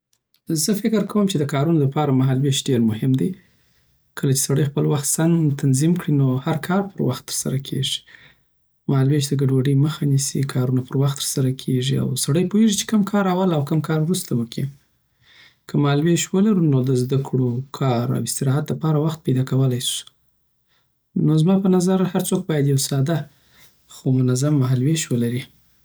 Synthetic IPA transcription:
zəfɪkɪɾkawəmt͡ʃed̪əkɑɾunoləpɑɾamaɦalweʃɖeɾmʊhɪmd̪e | kʰəlat͡ʃe̥saɽəjxpəlwaxt̪sant̪anzimkɽinohaɾkʰɑɾpəɾwaxt̪ːə̥ɾsa̰ɾakʰḛʐi̥ | mahalweʃd̪əɡaɖwaɖəjməxanisikʰɑɾunapəɾwaxt̪ːə̥ɾsaɾakʰeʐia̰wsaɽəjpoheʐit͡ʃe̥kəmkʰɑɾawalawkəmkʰɑɾwɾust̪awəkʰi | kʰəmahalweʃwəlaɾunod̪əzd̪akʰɽokʰɑɾa̰wɪst̪ɪɾɑɦat̪ləpɑɾawaxt̪̚pajd̪ɑkawəlajsu̥ | nozmɑpənazaɾhaɾt͡sok̚bɑjad̪jawsɑd̪a | xomʊnazamːaɦalweʃwəlaɾi

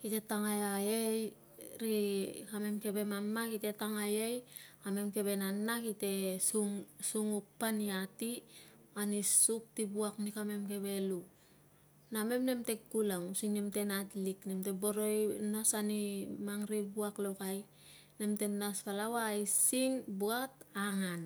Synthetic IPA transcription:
kite̞taŋajajej | ɾikame̞mke̞be̞mamːakite̞taŋajejkame̞mke̞βe̞nanːakite̞suŋsuŋupːaniati | anisuk̚tibuaknikame̞mke̞βe̞lu | name̞mne̞mte̞kkulaŋusiŋnemte̞natliknemteboɾojnasanimaŋɾibuaklokaj | ne̞mte̞naspalawaisiŋbuat̚aŋan

